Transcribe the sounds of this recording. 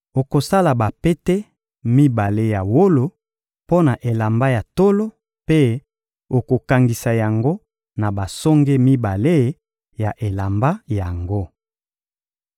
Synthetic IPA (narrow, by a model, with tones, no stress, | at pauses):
o˨ko˨sa˦la˨ba˨pe˦te˦ | mi˦ba˨le˦ja˨wo˦lo˨ | po˦na˨ʔe˨la˨mba˦ja˨to˦lo˦ | pe˦ | o˨ko˨ka˨ŋɡi˨sa˨ja˨ŋɡo˦ | na˨ba˨sɔ˦ŋɡe˦mi˦ba˨le˦ | ja˨ʔe˨la˨mba˦ja˨ŋɡo˦